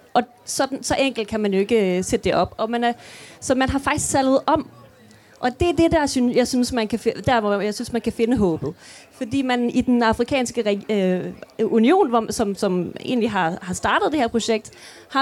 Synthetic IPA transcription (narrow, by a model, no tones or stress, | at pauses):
ʔɒ̽ | sɒ̽d̥n̩sɒ̽ʔeŋ̰ɡ̥l̩d̥̚kʰæmænjo̝e̝ɡ̥əsed̥əd̥e̝ʔɒ̽b̥ɒ̽mænæsɒ̽mænɦɑ̈fɑ̈ɡ̥i̥sɡ̥t͡sʰælð̩ˠʔɒ̽m | ʔɒ̽d̥e̝æɐd̥e̝d̥æɐsynsjɑ̈ɪsynsmænkʰæfd̥æɐ̰ʋɒjɑɪsynsmænkʰæfe̝nəɦɔ̰̽ːb̥ð̩ˠfɒ̽d̥ḭːmænid̥enɑ̈fʁikʰɛ̰ːnsɡ̥əʁɛ | unio̝̰ːnʋɒsɒ̽msɒ̽me̝̰ːn̩liɦɑ̈hɑ̈sd̥ɑ̈ːd̥ð̩ˠd̥eheɐpʰʁo̝ɕeɡ̥̚d̥ | hɑ̈